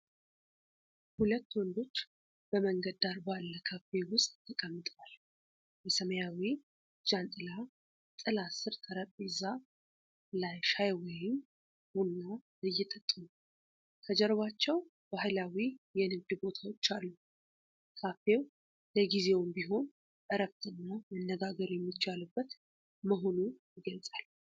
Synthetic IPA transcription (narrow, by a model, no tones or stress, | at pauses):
hulət̪ːwɔnd̪o̞t͡ʃː | b̥əməŋɡəd̪aɾbalːəkʰafe̞wʊst̪ʼt̪ʰəkʼəmːɨt̪ʼwal | jɛsəməjawi | d͡ʒant̪ʼɨla | t̪ʼɨlasɨɾt̪ʰəɾəpʼiza | lajʃajwɔjɪm | hunːa | ɨjːɛt̪ʰʼət̪ʼːunu | k̪ʰəd͡ʒɛɾβat͡ʃːɛw | bahlawijɛnɨɡɨbo̞t̪ʰawot͡ʃːalːu | kʰafew | ləɡize̞wmbiɦo̞nʼ | ɨɾəbt̪ʰɨnːamənːəɡaɡəɾjɛmːit͡ʃːalɨbːət̪ | məɦo̞nujɪɡəlsʼal